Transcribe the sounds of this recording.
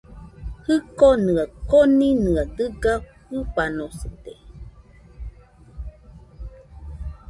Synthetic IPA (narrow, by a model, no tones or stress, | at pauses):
hɨkonɨakoninɨadɨɡa | ɨpanosɨt̪e